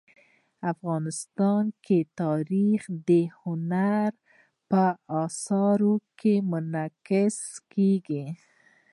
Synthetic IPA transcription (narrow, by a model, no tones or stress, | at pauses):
afɣɑnɪst̪ɑnkʰet̪ɑɾixd̪əhʊnaɾ | pəɑsɑɾokʰemʊnakɪskeɡi